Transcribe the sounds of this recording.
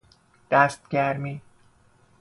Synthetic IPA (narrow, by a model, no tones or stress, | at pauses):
d̪̥æst̪̚ɟæɾmiː